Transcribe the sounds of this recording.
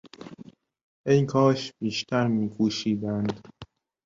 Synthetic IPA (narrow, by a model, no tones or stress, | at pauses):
ʔejkʰɒːʃbiːʃt̪ʰæɾmiːkʰuːʃiːd̪ænd̪